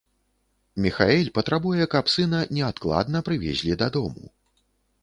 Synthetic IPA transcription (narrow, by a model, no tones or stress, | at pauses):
mʲixaɛlʲpɐt̪ɾabujɛkɐpsɨnɐnʲɛat̪̚klˠa̰d̪nɐpɾɨvʲɛ̰zʲlʲid̪ɐd̪ɔmṵ